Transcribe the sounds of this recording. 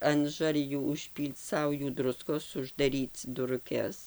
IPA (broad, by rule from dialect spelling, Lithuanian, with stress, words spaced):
ɐn ˈʒɐrʲjuː ʊʃʲˈpʲiːlʲt͡s ˈsɐʊjuː ˈdrʊskoːs ʊʒdɐˈrʲiːt͡s dʊrʊˈkʲɛs